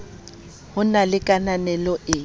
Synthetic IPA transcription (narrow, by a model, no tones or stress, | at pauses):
hʊnalɪkʼananɛlɔʔɪ